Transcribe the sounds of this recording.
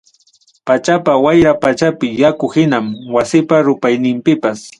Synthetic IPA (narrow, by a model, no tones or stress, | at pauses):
pat͡ʃapawajɾapat͡ʃapɪjakʊhɪnamwasɪpaɾʊpajnɪmpɪpas